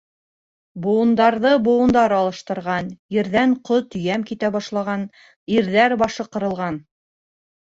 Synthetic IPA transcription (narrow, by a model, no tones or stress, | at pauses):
bŏwɤ̆nd̪ɑɾðɤbŏwɤ̆nd̪ɑɾɑlˠɤ̆ʃt̪ɤ̆ɾʁɑnjɘ̆ɾðæɴqot̪ɵ̆jæmkit̪æbɑʃlˠɑʁɑn | iɾðæɾbɑʃɤqɤ̆ɾɤ̆lˠʁɑn